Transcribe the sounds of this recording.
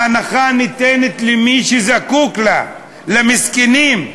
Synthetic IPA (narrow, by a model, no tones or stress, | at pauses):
anaχanit̪enet̪lemiʃezakukla | lemiskenim